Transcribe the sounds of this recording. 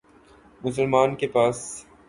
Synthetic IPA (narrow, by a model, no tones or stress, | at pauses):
mʊs̬əlmaːnkepaːs